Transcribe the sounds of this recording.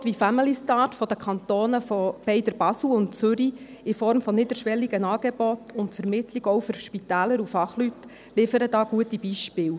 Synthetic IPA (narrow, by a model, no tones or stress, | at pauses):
t̪ʋifæməlistɑːtfɔd̪əkχɑnt̪oːnəfɔb̥ɛɪdəɾb̥ɑsl̩ʊntt͡sʏɾiɪfɔɾmfɔnɪdəɾʃʋɛlːiɡənɑːɡ̥ebɔtʊntfəɾmɪtliɡɔʊfʏɾʃpitæːləɾufɑχlyt | lɪfəɾədɑːɡuətib̥iʃpɪːl